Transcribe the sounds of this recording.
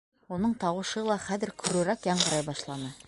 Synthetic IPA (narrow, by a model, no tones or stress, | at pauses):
wonɤɴt̪ɑwɤ̆ʃɤlˠɑχæðɘɾkʰɵ̆ɾʉɾækjɑɴɢɤ̆ɾɑjbɑʃlˠɑnɤ